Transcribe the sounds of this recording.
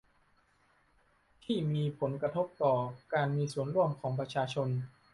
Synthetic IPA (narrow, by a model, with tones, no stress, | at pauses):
t̪ʰiː˥˩miː˧pʰo˩˦nkɾa˧t̪ʰo˦˥p̚t̪ɔː˨˩kaː˧nmiː˧su˨˩ənɾu˥˩əmkʰɔː˩˦ŋpɾa˧t͡ɕʰaː˧t͡ɕʰo˧n